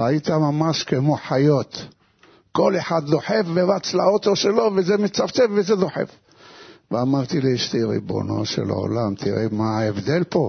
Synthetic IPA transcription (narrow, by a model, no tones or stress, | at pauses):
ait̪amamaʃkemo̞ħajo̞t̪ | ko̞le̞ħad̪d̪o̞ħe̞fveʁat͡slaot̪o̞ʃelo̞vezemit͡saft͡sefvezed̪o̞ħḛf | veamaʁt̪iliʃt̪eʁḭbo̰no̰ʃḛlʕo̰lamt̪ʰiʁemaevd̪e̞lpo̞